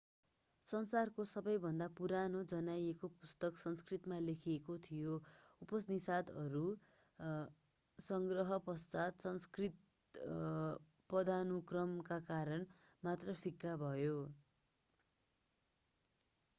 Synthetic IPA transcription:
sʌnsarkosʌbʌjbʱʌnd̪apuɾanod͡zʌnajekopust̪ʌksʌnskrit̪malekʰiekot̪ʰijoupʌsnisad̪ʌɾu | sʌŋɡrʌɦʌpʌst͡sat̪sʌnskrit̪ | pʌd̪anukrʌmkakaɾʌnmat̪rʌpʰikːabʱʌjo

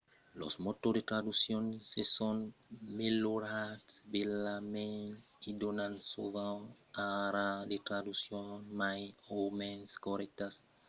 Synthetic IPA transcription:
lo̰smot̪od̪et̪ɾad̪usjonsesonmeloɾatsbelamen | id̪onãnsovãŋ | aɾad̪et̪ɾad̪usjonmajowmenskoɾɛk̚t̪as

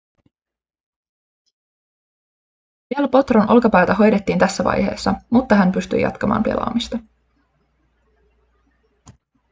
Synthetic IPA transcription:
ʋiælpo̞t̪ronʔo̞lkɑpæjt̪æɦo̞jde̞t̪ːiːnt̪æsːæʋɑ̰jhe̞̰ːsːɑmut̪ːɑɦæmpyst̪y̰jɑ̰t̪kɑmɑ̰ːmpḛlʔɑ̰ːmist̪ɑ

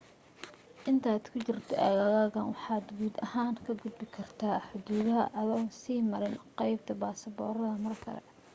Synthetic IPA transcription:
ʔɪnt̪ʰaːd̪̥kʰʊt͡ʃɪrt̪ʰɔʔɐɣɐɣaːɣɐnwɑħɑːd̪ɡuːd̪ɐhaːŋkʰɐɡʊd̪̚bɪkʰɐrt̪ʰaːħʊd̪uːðɐɦɐ̰ʔɐðɐwsiːmɐɾɪnqɑjb̚t̪ʰɐbaːsɐbɔːɾɐðɐmɐrkʰɐ̰lɛ̰

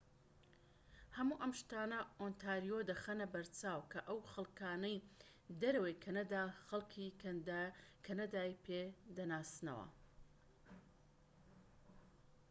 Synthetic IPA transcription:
hɐmuːʔɐmʃt̪aːnɐʔont̪ʰaːɾijod̪ɐxɐnɐbɐɾt͡saːwkʰɐʔɐwxɐlˠkaːnɐj | d̪ɐɾɐwejkʰɐnɐd̪aːxɐlˠkʰi | kʰɐnɐd̪aːjpʰed̪ɐnaːsnɐ̰wɐ̰

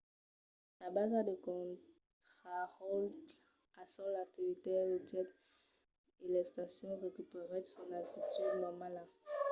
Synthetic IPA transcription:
labazad̪əkɔ̃ | tχaʁɔlt | asɔlak̚t̪ivit̪eld͡ʒɛt̪ | elɛst̪asjɔ̃ʁekypeʁed̪sɔnat̪it̪ydnɔmala

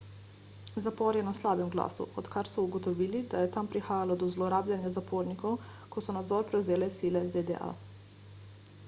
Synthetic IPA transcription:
zapɔɾjɛnaslaːbɛmɡla̰ːsṵɔt̪kaɾsɔuɡɔt̪ɔʋiːlid̪ajɛt̪ampɾixaːjalɔd̪ɔzlɔɾaːblanjazapʰoːɾnikɔwkɔsɔnad̪zɔːɾpɾɛwzeːlɛsiːlɛzed̪ɛ̰ʔa̰

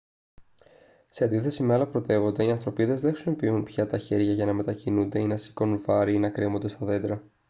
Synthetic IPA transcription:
se̞ɐnd̪iθe̞simeɐlɐpɾo̞t̪e̞vo̞nd̪e̞iɐnθɾo̞piðe̞zðexsumipiunpçɐt̪ɐçe̞ɾʝɐʝɐnɐme̞t̪ɐcinund̪e̞inɐsi̥ko̞nunvɐɾinɐkɾemo̞nd̪e̞st̪ɐðe̞d̪ɾɐ

